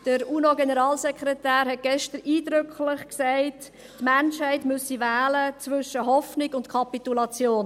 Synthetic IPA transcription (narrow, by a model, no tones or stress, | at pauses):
d̥əɾunoɡenəɾɑːlsɛkχɾɛtæːɾɦɛt̚ɡ̥ɛʃtəɾiːdɾʏkʰlɪχksæɪt | tmænʃhɛɪtmʉsivæːlət͡svʏʃəɦɔfnɪɡʊntkʰɑpitulɑt͡sjoːn